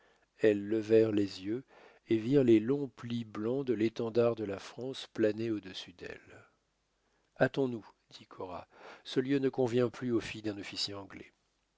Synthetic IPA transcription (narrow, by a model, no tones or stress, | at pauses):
ɛlːəvɛʁlezjø | eviʁlelɔ̃pliblɑ̃d̪əlet̪ɑ̃d̪aʁd̪əlafχɑ̃splaneod̪əsyd̪ɛ̰l | at̪ɔ̃nud̪ikʰɔʁa̰səljønəkɔ̃vjɛ̃plyofijd̪ɛ̃nɔfisjeɑ̃ɡlɛ̰